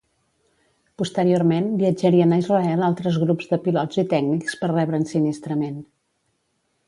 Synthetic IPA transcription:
pust̪əɾiormenbiəd͡ʒəɾiənəizrəɛlˠalˠt̪ɾəzɣɾupzðəpilɔzit̪ɛɡnikspərrɛβɾəːnsinist̪ɾəmen

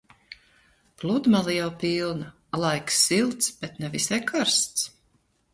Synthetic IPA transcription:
plˠud̪malˠijawpilˠna | lˠajksːilˠt̪sb̥ɛt̪nɛvisɛkʰaɾst̪s

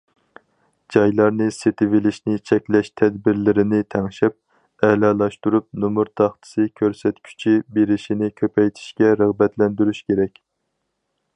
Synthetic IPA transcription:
d͡ʒɑjlˠɑɾnɨset̪ʰɪvɪlɪʃnɪt͡ʃʰɛkʲlɛʃt̪ʰɛd̪̚bɪɾlɪɾɪnɪt̪ʰɛŋʃɛp̚ | ɛlɑlˠɑʃt̪uɾup̚numuɾt̪ʰɑχt̪ʰɨ̥sɨkʲʰøɾsɛt̪kʲʰy̥t͡ʃʰibeɾɪʃinɪkʲʰøpʰɛjt̪ʰi̥ʃkʲɛɾəʁbɛt̪lɛnd̪yɾyʃkʲeɾɛkʲ

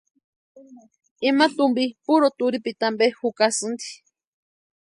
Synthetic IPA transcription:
imat̪umbipuɾot̪uɾipit̪ambehukasɨnd̪i̥

